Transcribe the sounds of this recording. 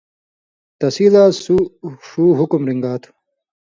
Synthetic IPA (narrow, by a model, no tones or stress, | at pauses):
t̪ɐsid̪aːsuʂuːɦukumɾiŋɡaːt̪ʰu̥